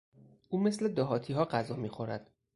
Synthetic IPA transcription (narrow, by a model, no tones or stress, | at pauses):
ʔuːme̞sled̪ɒːɦɒːt̪ʰiːɦɒːɢæzɒːmiːxoɾæd̪̥